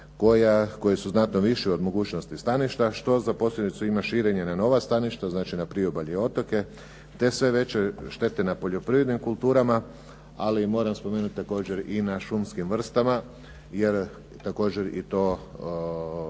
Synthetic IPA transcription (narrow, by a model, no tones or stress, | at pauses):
ko̞jako̞jesuznat̪noʋiʃio̞d̪mo̞ɡuːt͡ʃno̞st̪ist̪aniʃt̪aʃt̪o̞zapo̞sʎʲed̪it̪suimaʃiːɾe̞ɲe̞nano̞ʋast̪aniʃt̪aznaːt͡ʃinapɾiobaʎeo̞t̪o̞ke̞ | t̪e̞sʋe̞ʋe̞t͡ɕe̞ʃt̪e̞t̪enapo̞ʎo̞pɾiʋɾed̪nimkulˠt̪uːɾama | alimo̞ːɾamspo̞meːnut̪̚ʲt̪ːako̞ːd͡ʑe̞ɾinaʃumskimʋr̩st̪ama | je̞ɾ | t̪ako̞ːd͡ʑe̞ɾḭt̪o̞ː